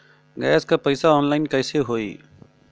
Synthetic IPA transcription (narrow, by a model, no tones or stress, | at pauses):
ɡɛːskaːpəɪsaːoːnlaːɪnkəːseːɦoːḭː